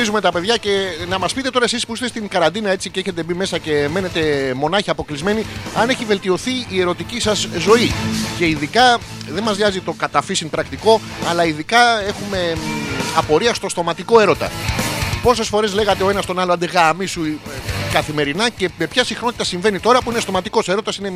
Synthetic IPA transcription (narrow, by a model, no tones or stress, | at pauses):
izume̞t̪ɐpe̞ðʝɐce̞nɐmɐspit̪et̪oɾɐesispuist̪est̪iŋkɐɾɐnd̪inɐe̞t͡siceçe̞t̪e̞bime̞sɐce̞me̞ne̞t̪e̞mo̞nɐçiɐpo̞klizme̞niɐne̞çive̞lt̪io̞θiːe̞ɾo̞t̪icisɐzzo̞ice̞iðikɐ | ðe̞nmɐzðjɐzit̪o̞kɐt̪ɐfisinpɾɐkt̪iko̞ | ɐlɐiðikɐe̞xume̞ɐpo̞ɾiɐst̪o̞st̪o̞mɐt̪iko̞e̞ɾo̞t̪ɐ̰ | po̞s̬e̞sfo̞ɾezle̞ɣɐt̪e̞o̞e̞nɐst̪o̞nɐloɐnd̪eɣɐmisukɐθime̞ɾinɐce̞me̞pçɐsixno̞t̪it̪ɐsiɱve̞nit̪o̞ɾɐpuinest̪o̞mɐt̪iko̞se̞ɾo̞t̪ɐsine